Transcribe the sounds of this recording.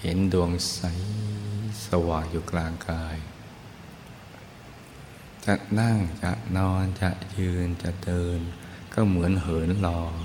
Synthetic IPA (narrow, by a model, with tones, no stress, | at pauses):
he˩˦ndu˧əŋsa˦j | sa˧waː˨˩ŋjuː˨˩klaː˧ŋkaː˧j | t͡ɕa˨˩ʔna˥˩ŋt͡ɕa̰˨˩ʔnɔː˧nt͡ɕa˨˩ʔjɯː˧nt͡ɕa˨˩ʔdɤː˧n | kɔː˥˩mɯ˩˦ənɦɤː˩˦nlɔː˧